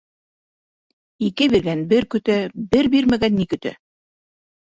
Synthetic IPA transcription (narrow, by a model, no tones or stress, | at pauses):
ikɘβiɾðænbɘɾkɵ̆t̪æbɘɾbiɾmæɡænːikɵ̆t̪æ̰